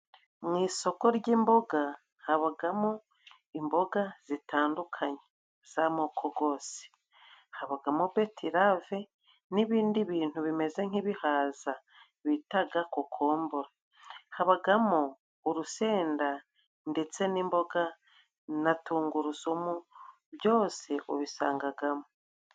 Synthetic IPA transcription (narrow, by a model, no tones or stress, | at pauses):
mŋiːso̞ko̞ɾɟiːmbo̞ɡa | haβaɡamo | imbo̞ɡaz̥itaːndukʰaɲe | z̥amoːkʰo̞ɡo̞ːse̥ | haβaɡamoβe̞tʰiɾave̞ | niβiːndiβiːn̥huβime̞ze̞ŋ̥iβihaːza | βitaɡakokʰo̞ːmboɾa | haβaɡamoː | ɾuse̞ːnda | nde̞t͡se̞niːmbo̞ɡa | natuːŋɡuɾuzomu | βjo̞ːse̞ʔo̰βisaːŋɡaɡamo